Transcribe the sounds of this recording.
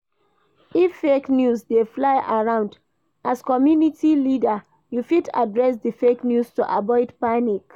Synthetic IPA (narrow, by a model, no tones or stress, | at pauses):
ifːeknjusdeflaɪʔaɹãʊ̃nd | ʔaskɔmjunitilida | jufita̰dɹɛs̬difeknjustoʔabɔɪdpanik